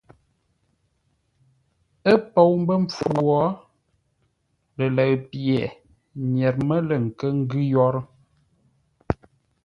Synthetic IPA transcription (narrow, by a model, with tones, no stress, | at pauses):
ə˦po˦wm˦bə˦ɱ̩p͡fwɔ˨˦ | lə˨lə˨ɣpjɛ˨ | ɲɛ˨ɾmə˦lə˨ŋ̩˨kə˦ŋ̩˦ɡʉ˦jɔ˦ɾ